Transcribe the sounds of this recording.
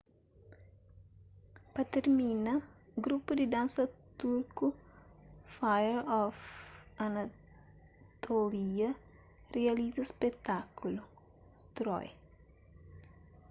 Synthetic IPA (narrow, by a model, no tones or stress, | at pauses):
pɐt̪eɾminɐɡɾupud̪id̪ãnsɐt̪uɾku | fajəɾɔfɐna | t̪ʰoliɐ | realizɐspɛt̪akulu | t̪ɾɔ̰j